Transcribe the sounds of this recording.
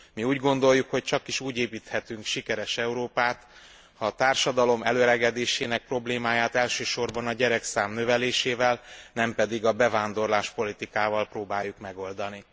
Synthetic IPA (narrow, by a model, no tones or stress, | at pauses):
miuːɟɡo̞nd̪o̞jːukho̞c̚t͡ʃɒkiʃuːɟeːpiːt̪hɛt̪yŋkʃikɛɾɛʃɛuɾoːpaːt̪ | hɒːt̪aːrʃɒd̪ɒlo̞mɛløɾɛɡɛd̪eːʃeːnɛk̚pro̞bleːmaːjaːt̪ɛlʃøːʃo̞rbɒnɒɟɛɾɛksaːmnøvɛleːʃeːvɛlnɛmpɛd̪iɡɒbɛvaːnd̪o̞rlaːʃpo̞lit̪ikaːvɒlproːbaːjːukmɛɡo̞ld̪ɒni